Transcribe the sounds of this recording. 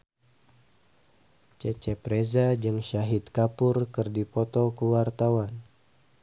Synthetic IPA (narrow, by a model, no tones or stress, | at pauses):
t͡ʃɛt͡ʃɛpɾezad͡ʒɨŋʃaɦit̪̚kapurkɨrdipɔt̪ɔkəwart̪awan